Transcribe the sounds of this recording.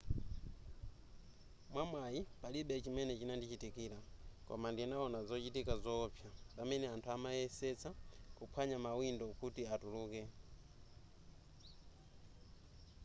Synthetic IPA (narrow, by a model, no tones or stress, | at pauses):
mwamwajipaliɓɛt͡ʃimɛnɛt͡ʃinandit͡ʃitikiːɾakɔ̰mandinaɔnazɔt͡ʃitikazɔːpʰjapamɛnɛantʰuamajɛsɛt͡sakupʰwaɲamawindɔkutiatuluːkɛ